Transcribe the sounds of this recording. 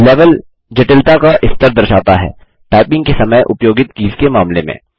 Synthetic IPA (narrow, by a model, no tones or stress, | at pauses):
leːʋəl | d͡ʒɐʈɪlt̪akaʔɪst̪əɾd̪ɐɾʃaːt̪aɦɛ̰ː | ʈaːɪpɪ̃ŋɡkesɐməjʔʊpjoːɡɪt̪kiːzkemaːmlemḛ̃ː